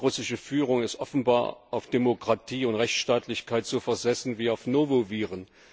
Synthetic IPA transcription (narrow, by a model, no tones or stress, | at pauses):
ʁʊsɪʃəfyːʁʊŋɪstʔɔfn̩ba̰ːɐʔaʊfd̥emokʁ̥atʰiːʊntʁɛçʃtaːtʰlɪçkʰaɪtz̥oːfɛɐzɛsn̩viːaʊfnoːvoviːʁən